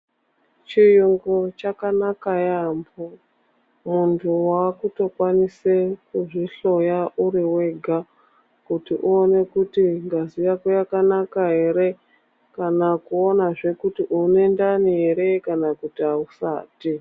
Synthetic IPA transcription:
t͡ʃijuŋɡot͡ʃakanakajambo | muntʰuwakuto̞kwanisekuʐiɬo̞jaʔuɾiwe̞ɡʱa | kutiʔuone̞kutiŋɡazijakojakanakaɦe̞ɾe̞ | kanakuo̞naʐe̞kutiʔune̞ndaniɦeɾe̞kanakutiausa̰ːti

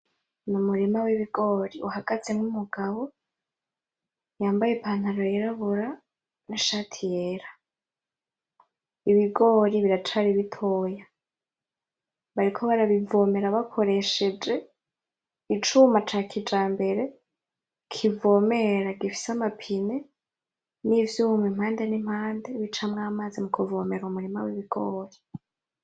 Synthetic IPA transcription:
numuɾimawiβiɡo̞ɾiuhaɡ̥azenumuɡaβo̞ | jaːmbajepʰaːn̥aɾojiɾaβuɾa | niʃaːtʰijeːɾa | iβiɡo̞ːɾiβiɾatʰaɾiβitʰo̞ːja | βaɾikʰo̞βaɾaβivo̞me̞ɾaβakʰo̞ɾe̞ʃe̞d͡ʒe̞ | it͡ʃumat͡ʃakʰid͡ʒaːmbe̞ɾe̞ | kʰivo̞me̞ɾaɡifi̥samapʰine | nivjuːmwim̥haːndenim̥haːndeβit͡ʃamŋaːmazimukʰuvo̞ːmeɾumuɾimawiβiɡ̥oːɾi

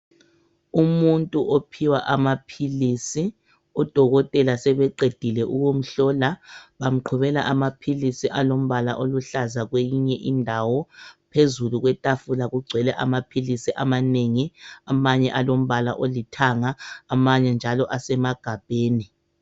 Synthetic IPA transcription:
umuntʼuʔopʰiwaʔamapʰilisi | ɔd̥ʱɔɣɔtʼɛlasɛβɛǃed̥ʱilɛʔuɣom̩ɬɔlaβam̩ǃʰuβɛlaʔamapʰilisiʔalom̩βala̰ʔoluɬazaɣwejiɲɛʔindʱawɔpʰezuluɣwɛtʼafulaɣuɡ͡ǀʱɛlɛʔamapʰilisiʔamaneŋiamaɲɛʔalom̩βala̰ʔolitʰaŋaːmaɲɛnd͡ʒʱalɔʔasɛmaɡ̥ʱab̥ʱeːni

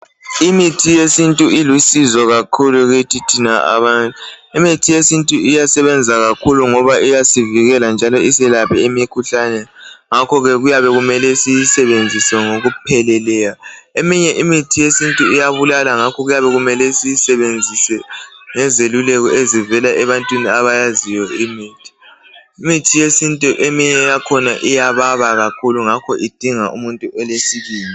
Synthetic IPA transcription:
imitʰijesintʼuilusizɔɣakʰuluɣutʰitʰinaa̰βantʼuimitʰijesintʼuijasɛβɛnd͡zʱaɣakʰuluŋɔβaʔijasiviɣɛland͡ʒʱalɔisɛlapɛimikʰuɬanɛŋakʰɔɣɛɣujaβɛɣumɛlɛsijisɛβend͡zʱisɛŋoɣupʰɛlɛlɛjaemiɲɛʔimitʰijesintʼuijaβulalaŋakʰɔɣujaβɛɣumɛlɛsijisɛβend͡zʱisɛŋɛzelulɛɣɔezivɛlaʔɛβantʼwiniaβajazijɔimiːtʰi̥imitʰijesintʼuʔemiɲɛjakʰɔnaʔijaβaβaɣakʰuluŋakʰɔʔid̥ʱiŋaʔṵmuntʼuʔɛlesiɣiːni

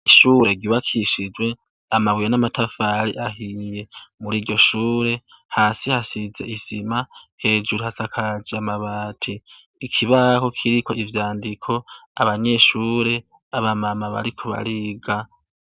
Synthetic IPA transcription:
iʃuːɾe̞ɡiβakʰiʃid͡ʒwe | amawijenamatafaɾiʔaɦije̞muɾiːɾɟo̞ʃuːɾe̞ | haːsihasize̞̰ʔizimahe̞ːd͡ʒuɾuhasakʰad͡ʒiamaβaːtʰiː | kʰiβaho̞kʰiɾiko̞ivjaːndikʰo̞aβaɲe̞ʃuːɾe̞ | aβamamaβa̰ɾikʰo̞βa̰ɾiɡa

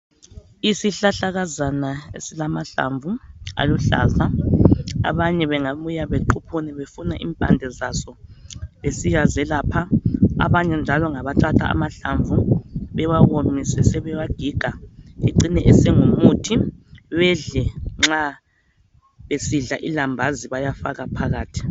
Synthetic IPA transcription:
isiɬaɬaɣazanaḛsilamaɬa̰ɱvua̰luɬa̰ːza | a̰βaɲɛβɛŋaβujaβeǃʰupʰuniβefunaʔḭːmpʼa̰ndʱɛzasɔβesiɣazɛlaːpʰaa̰βaɲɛnd͡ʒʱalɔŋaβatʰatʰa̰a̰maɬaɱvuβɛwaɣomisɛsɛβɛwaɡ̥ʱiɡ̥ʱaiǀinɛʔɛsɛŋumutʰiβɛɮɛŋ͡ǁa | βesiɮaʔilambʱaziβajafaɣapʰaɣaːtʰi̥

